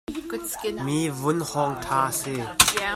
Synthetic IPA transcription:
miːvʊnhɔŋt̪ʰaːasi

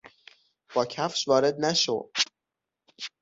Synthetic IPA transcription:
b̥ɒːcʰæfʃvɒːɾe̞d̪̚næʃo̰d̪̥

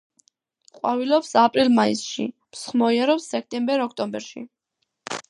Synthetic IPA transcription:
qʼwavilɔpsapʼɾilˠmaisʃḭmsχmɔiaɾɔpsɛk̚ʰt̪ʼɛmbɛɾɔkʰt̪ʼɔmbɛɾʃḭ

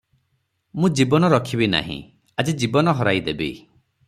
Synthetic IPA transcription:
mũd͡ʒibɔnɔɾɔkʰibina̰ɦḭ̃ | ad͡ʒid͡ʒibɔnɔɦɔɾajd̪ebḭ

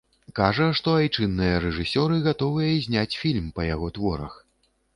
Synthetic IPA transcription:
kaʐɐʂt̪ɔajt͡ʂɨnːɨjɐɾɛʐɨsʲɔɾɨɣat̪ɔvɨjɐzʲnʲat͡sʲfʲilʲmpɐjaɣɔt̪vɔɾɐ̰x

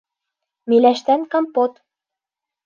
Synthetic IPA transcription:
melæʃt̪ænkɑmpot̪

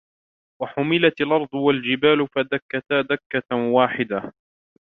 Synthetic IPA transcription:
waħʊmɪlat̪alʔɑɾˤd̪ˤʊwald͡ʒɪbaːlʊfad̪akːat̪ad̪akːawaːħɪd̪a

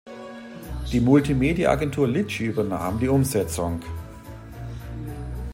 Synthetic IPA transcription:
d̥iːmʊltʰimeːdjaʔa̰ɡɛntʰuːɐlɪt͡ʃyːbɐna̰ːmdiːʔʊmzɛt͡sʊŋ

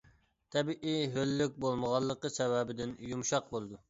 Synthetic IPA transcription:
t̪ʰɛbiʔiɦølːyk̚ʲbolˠməʁɑlˠːəqəsɛwɛbɪd̪ɪnjumʃɑq̚bolˠɨd̪u

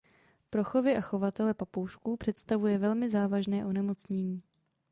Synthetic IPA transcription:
pɾo̞xo̞vɪʔaxo̞vat̪ɛlɛpapowʃkuːpr̥ɛt̪st̪avujɛvɛlmɪzaːvaʒnɛːʔo̞nɛmot͡sɲɛɲiː

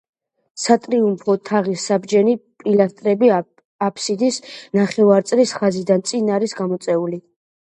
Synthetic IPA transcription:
sat̪ʼɾiumpʰɔt̪ʰaʁisabd͡ʒɛnipʼilast̪ʼɾɛbi | apʰsid̪isnaχɛvaɾt̪sʼlisχazid̪ant̪sʼinaɾisɡamɔt̪sʼɛuli

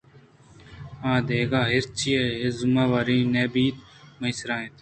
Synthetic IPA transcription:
ãːd̪eːɡaːɦɪɾt͡ʃʰieɦezʊmãːʋaːɾĩːneːbiːt̪ | mɐisɾãːẽt̪

